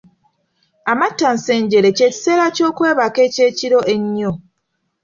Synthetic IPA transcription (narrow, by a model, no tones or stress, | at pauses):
amatːanse̞ːɲɟe̞ɾe̞ce̞ːci̥se̞ːlaco̞ːkwe̞ːβake̞ːce̞ːciɾo̞ʔeɲːo